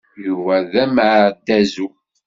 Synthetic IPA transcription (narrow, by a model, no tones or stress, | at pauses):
juvæðæmʕɾd̪æzu